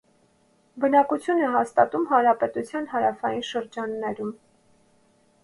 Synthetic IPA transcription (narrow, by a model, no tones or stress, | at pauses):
bənɑkut͡sʰjunɛɦɑst̪ɑt̪umɦɑnɾɑpɛt̪ut͡sʰjɑnɦɑɾɑfɑjinʃəɾd͡ʒɑnːɛɾum